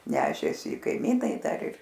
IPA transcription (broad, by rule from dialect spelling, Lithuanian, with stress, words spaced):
ˈnʲæːʃʲeːsʲɪ ɪ kɐɪˈmʲiːnɐɪ ˈdɐr ɪr